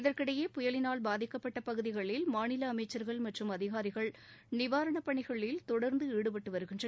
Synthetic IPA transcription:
ɪðɐrkɪɽɐjeːpʊjɐlɪnaːɭbaːðɪkːɐpːɐʈːɐpɐɣɯðɪɣɐɭɪlmaːɳɪlɐːmɐɪt͡ʃːɐɾɣɐɭmɐʈrɯmɐðɪɣaːɾɪɣɐɭnɪʋaːɾɐɳɐpːɐɳɪɣɐɭɪlt̪ɔɽɐɾnd̪ɯeːɽɯpɐʈːɯʋɐɾɯɣɪndrɐ

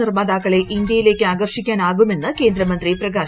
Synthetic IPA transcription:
irmaːðaːkːɐɭe̞ʔind̪jɐjile̞ːkʲːɨaːɡɐrʂikʲːaːnaːɣume̞nːɨke̞ːnd̪ɾɐmɐnd̪riprɐɡaː

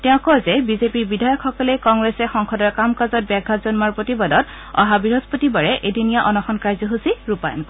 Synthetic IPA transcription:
tɛʊ̃kɔzɛbizepiɹbidʱajɔkʰxɔkɔlejkɔŋɡɹesɛxɔŋkʰɔdɔɹkamkazɔt̚bɛɡʱazɔnmaɹpɹotibadɔt | ɔ̰ɦabiɹɔzpotibaɹɛʔedunijaʔɔnɔxɔnkaɹzɔɦusiɹupa̰jɔ̰nk

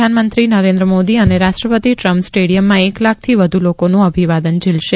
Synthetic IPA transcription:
anmənt̪ɾinəɾẽnd̪ɾəmod̪iəneɾaʃʈɾəpət̪iʈɾəmpsʈeɽijəmːãeklak̚ʰt̪ʰiʋəd̪ʱulokonũəbʱiʋad̪ənd͡ʒɪlʃe

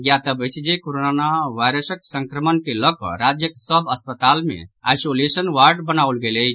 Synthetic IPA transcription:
ɡjat̪əbəjt͡ʃʰd͡ʒekoɾonanaʋajɾəsəksəŋkɾəmənkelɔkɔ̰ɾad͡ʒjəksəbəspət̪almḛa̰jsolesənʋaɾɖbənaulɡeləjt͡ʃʰ

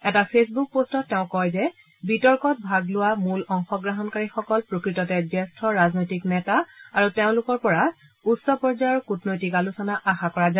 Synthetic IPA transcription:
ɛtapʰesbuk̚postɔtːɛʊ̃kɔjzɛ | bitɔɹkɔt̚bʱaɡlʊwamulɔŋxɔɡɹaɦɔnkaɹixɔkɔlpɹokɹitɔtɛzɛstʰɔɹaznojtiknɛtaaɹuteʊ̃lʊkɔɹpɔɹa | utsɔpɔɹzaɹkutnojtikalusɔnaʔaxakɔɹaza

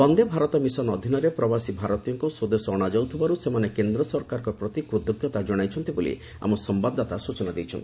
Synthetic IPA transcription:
pɔnd̪ebʱaɾɔt̪ɔmisɔnɔd̪ʱinɔɾepɾɔbasibʱaɾɔt̪ijɔŋkusod̪esɔːɽ̃ad͡ʒɔwt̪ʰibaɾusemanekend̪ɾɔsɔɾkaɾɔkɔpɾɔt̪ikɾut̪ːoɡʱjɔt̪ad͡ʒɔɽ̃ajt͡ʃʰɔnt̪ibolḭ | a̰mɔsɔmbad̪ʱat̪asut͡ʃɔnad̪ejt͡ʃʰɔnt̪i

